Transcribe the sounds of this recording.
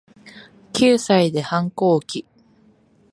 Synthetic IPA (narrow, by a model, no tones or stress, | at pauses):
kʲɨːsaid̪e̞hãŋko̞ːkʲi